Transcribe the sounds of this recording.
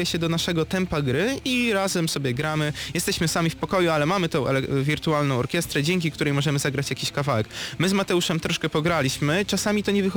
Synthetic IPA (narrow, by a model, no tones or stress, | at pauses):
jɛɕɛd̪ɔnaʂɛɡɔt̪ɛmpaɡɾɘiɾazɛmsɔbʲjɛɡɾamɘjɛst̪ɛɕmɘsamʲifpɔkɔjualɛmamɘt̪ɔ̃w̃ʔɛ̰lɛvʲiɾt̪ualnɔ̃w̃ɔɾkʲjɛst̪ɾɛd͡ʑɛŋk̬ʲikt̪uɾɛjmɔʐɛmɘzaɡɾat͡ɕjakʲiɕkavawɛkmɘzmat̪ɛuʂɛmt̪ɾɔʂkɛpɔɡɾalʲiɕmɘt͡ʂasamʲit̪ɔɲɛvɘxɔ